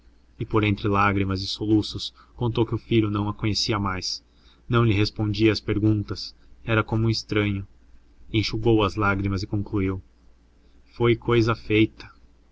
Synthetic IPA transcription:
ɪpoɾẽnt̪ɾɪlaɡɾimɐzɪsolusʊs | kõnt̪owkɪʊfiʎʊnɐ̃w̃ɐkõɲesiɐmajs | nɐ̃w̃ʎɪɦespõnd͡ʒiɐːspeɾɡũnt̪ɐs | ɛɾɐkõmũɪst̪ɾɐ̃ɲʊ | ẽʃuɡowɐzlaɡɾimɐzɪkõŋkluiw | fojkojzɐfejt̪ɐ̥

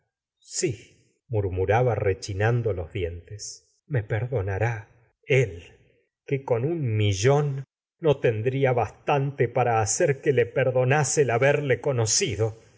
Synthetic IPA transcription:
si | muɾmuɾaβaret͡ʃinand̪olo̞zðje̞nt̪es | mepeɾðo̞naɾa | el | keko̞nunmiʒo̞nː | o̞t̪end̪ɾiaβast̪ant̪epaɾaːseɾkelepeɾðo̞naselaβeɾleko̞nosiðo̞

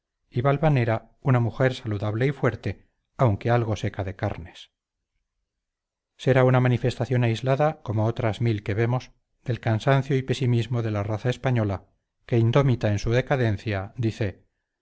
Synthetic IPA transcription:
iβalβane̞ɾa | unamuxe̞ɾsaluðaβle̞ifwe̞ɾt̪e̞ | awŋke̞alɣo̞se̞kaðe̞ka̰ɾne̞̥s | se̞ɾaunamanife̞st̪aθjo̞naizlaðako̞moot̪ɾazmilke̞βe̞mo̞s | d̪̥e̞lkansanθjo̞ipe̞simizmo̞ðe̞laraθaespaɲo̞la | ke̞ind̪o̞mit̪aensuð̞e̞kaðe̞n̟θjad̪iθe̞

